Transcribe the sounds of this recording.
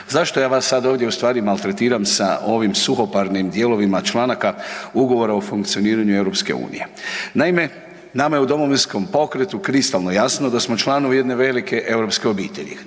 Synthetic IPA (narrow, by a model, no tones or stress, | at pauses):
zaʃt̪o̞jaːʋasːad̪ao̞ːʋd̪jeust̪ʋaːɾimalˠt̪ɾe̞t̪iːɾamsa̰ʔo̞ʋimsuxo̞paɾnimd̪je̞ːlo̞ʋimat͡ʃlˠanakauɡo̞ʋo̞ɾaofuŋkt̪sio̞niːɾaɲuewɾo̞pske̞̰ṵːnḭje̞naime̞ | namajeud̪o̞mo̞ʋinsko̞mpo̞kɾe̞t̪ukɾist̪alˠnojasno̞d̪asmo̞t͡ʃlˠaːnoʋuje̞d̪ne̞ʋe̞like̞ʔe̞wɾo̞pskeo̞biːt̪e̞̰ʎḭ